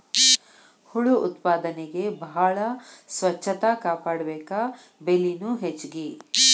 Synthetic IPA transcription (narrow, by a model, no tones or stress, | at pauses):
huɭuut̪paːd̪ɐneɡe̞bɐɦaɭɐsʋɐt͡ʃʰːɐt̪akaːpaːɽɐbeːkaː | belːinuɦet͡ʃːɡi